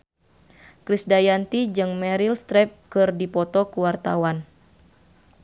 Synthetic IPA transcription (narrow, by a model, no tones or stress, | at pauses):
kɾisdajant̪id͡ʒɨŋmɛɾilst̪ɾɛp̚kɨrdipɔt̪ɔkuwart̪a̰wan